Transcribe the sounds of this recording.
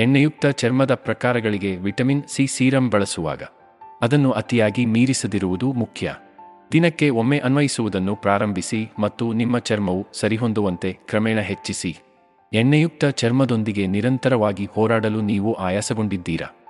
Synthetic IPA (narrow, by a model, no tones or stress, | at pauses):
ɛɳːɐjuk̚t̪ɐt͡ʃɐɾmɐd̪ɐpɾɐkaːɾɐɡɐɭiɡe̞ʋiʈɐminsiːsiːɾɐmbɐɭɐsuʋa̰ːɡɐ̰ | ɐd̪ɐnːuʔɐt̪ijaːɡimiːɾisɐd̪iɾuʋud̪umukʰjɐ̰ | d̪inɐkːe̞omːe̞ʔɐnʋɐjisuʋud̪ɐnːupɾaːɾɐmbʱisimɐt̪ːunimːɐt͡ʃɐɾmɐʋusɐɾiɦo̞nd̪uʋɐnt̪e̞kɾɐmɛːɳɐɦet͡ʃːisi | ɛɳːɐjuk̚t̪ɐt͡ʃɐɾmɐd̪o̞nd̪iɡe̞niɾɐnt̪ɐɾɐʋaːɡihɔːɾaːɽɐluniːʋuʔaːjaːsɐɡo̞ɳɖid̪ːiːɾɐ̰